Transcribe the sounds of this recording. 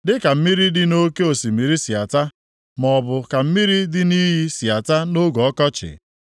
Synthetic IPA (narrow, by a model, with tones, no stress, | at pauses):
dɪ˦ka˨m̩˦mi˦ɾi˦dɪ˦no˦ke˦o˨si˨mi˨ɾi˦si˨a˨ta˦ | mɔ˨bʊ˨ka˨m̩˦mi˦ɾi˦dɪ˦ni˦ɦi˦si˨a˨ta˦no˦ɡɔ˨ɔ˦kɔ˦t͡ʃɪ̰˨